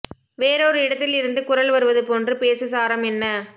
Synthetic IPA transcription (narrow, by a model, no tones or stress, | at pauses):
ʋeːɾɔɾɯɪɽɐt̪ːɪlɪɾɯnd̪ɯkʊrɐlʋɐɾɯʋɐðɯpoːndrɯpeːsɯsaːɾɐmɛnːɐ